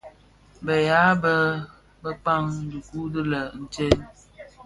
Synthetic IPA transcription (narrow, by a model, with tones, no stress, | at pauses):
bə˨ja˨˦bə˦ | bə˦k͡pa˦ŋ˦du˨ku˦dɨ˦lə˨n̩˨t͡ʃe˦n